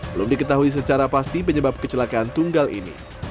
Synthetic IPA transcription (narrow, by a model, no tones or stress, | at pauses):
bəlʊmdikət̪aɦuis̬ət͡ʃaɾapast̪ip̬əɲəbap̚kət͡ʃəlakaːnt̪uŋɡalḭnḭ